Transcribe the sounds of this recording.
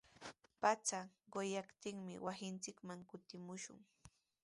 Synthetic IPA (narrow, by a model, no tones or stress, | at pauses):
pat͡saɢojakt̪ɪŋmɪ̰wʔasɪnt͡sɪkmaŋkʊt̪ɪmʊʃʊ̰ŋ